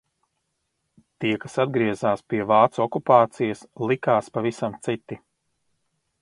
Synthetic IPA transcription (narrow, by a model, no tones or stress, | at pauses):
t̪iɛkasad̪ɡɾiɛzaːspiɛvaːt̪sɔkupaːt̪sijɐslˠikaːspavisamt̪sit̪ːi